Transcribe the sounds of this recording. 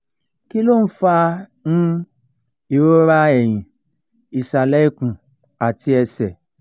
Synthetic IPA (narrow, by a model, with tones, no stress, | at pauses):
ki˦lo˦˨n̩˦fa˦n̩˦ | i˨ɾo˦ɾa˦ɛ˨j̃ĩ˨ | i˨sa˨la˦i˦kũ˨ | a˨ti˧˦ɛ˧sɛ˨